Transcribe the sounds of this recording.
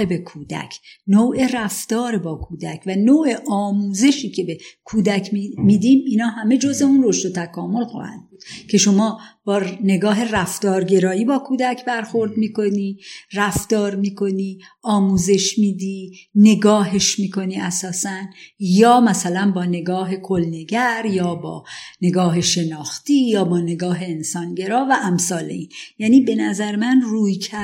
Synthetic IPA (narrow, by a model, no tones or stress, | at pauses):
ebe̞kʰuːd̪æ̰cʰnoːʔe̞ræft̪ɒːɾebɒːkʰuːd̪æcʰvænoːʔe̞ʔɒːmuːze̞ʃiːcʰe̞bekʰuːd̪æcʰmiːd̪iːmiːnɒːhæme̞d͡ʒozeunro̞ʃd̪ot̪ʰækʰɒːmo̞lxɒ̰ːhæ̰nd̪̚buːd̪̥cʰe̞ʃo̞mɒːb̥ɒːne̞ɡɒːɦe̞ræft̪ɒːɾɟe̞ɾɒːjiːbɒːkʰuːd̪æcʰbæɾxo̞ɾd̪miːko̞niːræft̪ɒːɾmiːkʰo̞niː | ɒːmuːze̞ʃmiːd̪iːne̞ɡɒːɦe̞ʃmiːko̞niːæsɒːsænjɒːmæsælænbɒːne̞ɡɒːɦe̞kʰolneɡæɾjɒːbɒ̰ːne̞ɡɒːɦeʃe̞nɒːxt̪iːjɒːbɒːne̞ɡɒːɦeensɒːnɟe̞ɾɒːvæʔæmsɒːlḛiːnjæːniːbe̞næzæɾmænruːjcʰæ